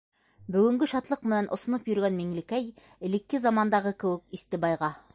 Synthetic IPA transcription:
bɵɡɘ̆ŋɡɘʃɑt̪lˠɤq̚mɘ̆nænʔŏsŏnopjɵ̆ɾɡænmiŋlɘkæj | ɘ̆lɘ̆kːɘzɑmɑnd̪ɑʁɤkɘ̆wɘkist̪ɘbɑjʁɑ

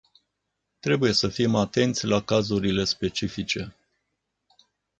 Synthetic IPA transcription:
t̪ɾe̞buje̞səfimat̪e̞nt̪sʲlakazuɾile̞spe̞t͡ʃifit͡ʃe̞

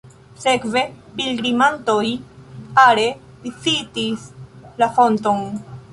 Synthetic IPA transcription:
se̞kve̞pilɡɾimanto̞jaɾe̞ | lit͡sitislafo̞nto̞n

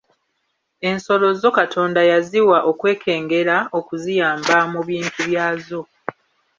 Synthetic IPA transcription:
e̞nso̞lo̞zo̞katʰo̞ːndajaziwaʔo̞kwe̞ːkʰe̞ːŋɡe̞ɾao̞kuzijaːmbamuβjiːntʰuβjaːzo̞

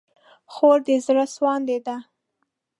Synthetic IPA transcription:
xoɾd̪ezɾaswɑnd̪ed̪a

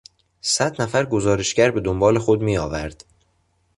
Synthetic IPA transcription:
sæd̪næfæɾɡo̞zɒːɾe̞ʃɟæɾbe̞d̪ombɒːle̞xod̪miːɒːvæɾd̪̥

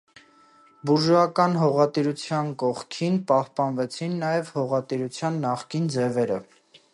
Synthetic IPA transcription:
buɾʒɑkɑnɦɔʁɑt̪iɾut͡sʰjɑnkɔχkʰinpɑhpɑnvɛt͡sʰinːɑjɛvhɔʁɑt̪iɾut͡sʰjɑnːɑχkind͡zɛvɛɾə

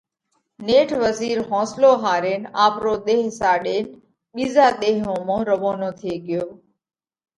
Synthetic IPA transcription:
neːʈʰʋəziːɾɦɔ̃ːsloːɦaːɾeːnaːpɾoːɗ̪eːɦsaːɗeːn | ɓiːzaːɗ̪eːɦõːmõːɾəʋoːnoːt̪ʰɪeːɠɪjoː

